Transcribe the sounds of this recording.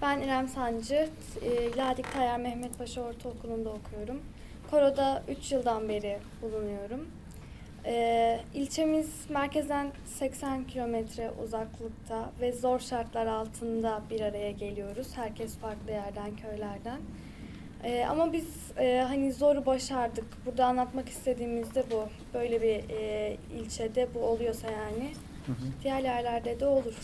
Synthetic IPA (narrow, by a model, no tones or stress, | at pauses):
b̥æniɾæmsand͡ʒɯtːlʲaɾd̪ic̚t̪ʰajaɾmɛçmɛt̪̚baʃaoɾt̪ʰaokʰunund̪aokʰujo̞ɾum | kʰo̞ɾo̞d̪aʔyt͡ʃjɯlˠd̪anbe̞ɾi | b̥ulˠunujo̞ɾum | ɛːilʲt͡ʃʰe̞miz̥ | mæɾcezd̪æn | sɛcsæncʰilʲo̞mɛt̪ʰɾɛʔṵzaklˠɯkt̪ʰavɛzo̞ɾʃaɾt̪lˠaɾalˠt̪ʰɯnd̪abiɾaɾajaɟe̞lʲijo̞ɾuz̥hæɾcʰɛsfaɾklˠɯjæɾd̪æncʰø̞ɾlʲæɾd̪æn | ɛːa̰mabiz̥ | ɛːɦanizo̞ɾubaʃaɾd̪ɯkbuɾd̪aːnlˠat̪maki̥st̪ʰe̞d̪iːmizd̪ɛbu | b̥ø̞jlʲebi | ḭlʲt͡ʃʰɛd̪ɛbuo̞lˠujo̞sajaːnɪ | d̪̥ijæɾjæɾlʲæɾd̪ɛd̪ɛo̞lˠuɾ̥